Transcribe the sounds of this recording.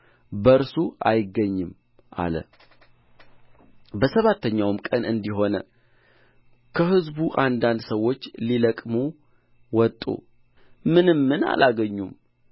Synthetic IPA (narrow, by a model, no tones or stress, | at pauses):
bəɨɾsua̰jɪɡːəɲːɨm | ʔa̰lə̰ | bəsəβat̪ːəɲːawmkʼənɨnd̪iɦo̞nə | kʰəɦɨzbuʔand̪and̪səwːo̞t͡ʃːliləkʼmu | wɔt̪ʼːṵ | mɨnɨmːɨna̰laɡəɲːum